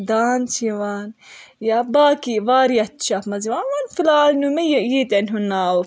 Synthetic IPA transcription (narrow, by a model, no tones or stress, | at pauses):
d̪aːnt͡ʃiwanjabaːkivaːɾijat̪ʃafmaziwanwanfilaːnumajjet̪ɪnɦunːaw